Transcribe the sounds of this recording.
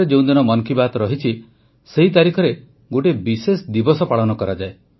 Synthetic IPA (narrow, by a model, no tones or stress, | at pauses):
ed͡ʒew̃d̪inɔmɔnkibat̪ɔɾɔɦit͡ʃʰi | seɦit̪̬aɾikʰɔɾe | ɡoʈ̬ebisesd̪ibɔsɔpaɭɔnɔkɔɾad͡ʒae